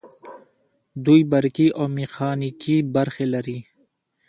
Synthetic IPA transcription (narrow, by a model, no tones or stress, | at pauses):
d̪ujbɐɾkiʔoːmixʰaːnikibɐɾxelɐɾi